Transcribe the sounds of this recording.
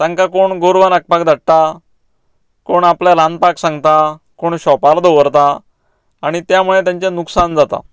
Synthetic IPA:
sãŋkakoɳɡoɾʋanək̚pak̚d̪ʱaɽt̪a | koɳapljalãnd̪̚paksãŋɡt̪akoɳɕɔpald̪oʋəɾt̪aː | ɽ̃it̪jam̤uɭet̪jãɲt͡ɕanuksand͡zat̪a̰

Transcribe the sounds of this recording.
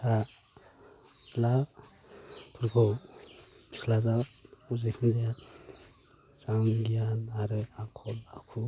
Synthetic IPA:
tʰa | la | pʰuɾɡʰɔ̥ | ikʰlazauzikʰindɛja | zaŋɡijanaɾɯakʰɔlakʰu

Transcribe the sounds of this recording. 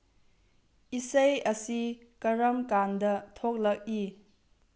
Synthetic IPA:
isɐjɐsikɐɾɐmkandɐtʰok̚lɐk̚i

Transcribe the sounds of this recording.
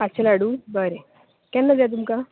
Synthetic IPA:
pat͡ɕelaɽuːbəɾe | kɛ̃nːad͡zat̪̬umka

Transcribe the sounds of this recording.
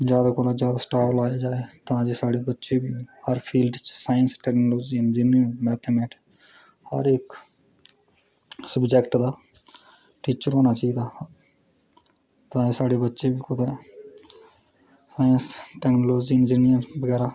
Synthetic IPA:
d͡ʒjaːd̪aːkoːlaːzjaːd̪asʈaːlaːjaːd͡ʒaːeːt̪ãːd͡ʒesaːɽeːbətːʃebiːhəɾpʰiːlɖt͡ʃsaːjənsʈɛːknoːloːd͡ʒiɪnd͡ʒinəmɛːt̪ʰemẽːʈʰː | hə̰ɾɪk | səbd͡ʒɛkʈd̪aː | ʈiːt͡ʃəɾɦoːnaːt͡ʃaːiːd̪aː | t̪ãːd͡ʒesaːɖebətːʃebiːkʊd̪eː | saːjənsʈɛːknoloːd͡ʒiɪnd͡ʒinɪjəɾbəɡɛːɾaː

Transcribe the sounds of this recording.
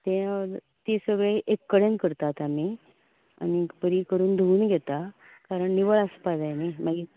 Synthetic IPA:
t̪ẽ | t̪isəɡɭeʔekːəɽenkəɾt̪at̪ami | a̰nipəɾiːkəɾuːnd̪ʱuːnɡʱɛt̪a | kaɾəɳniʋəɭəspad̪ajnimaɡi

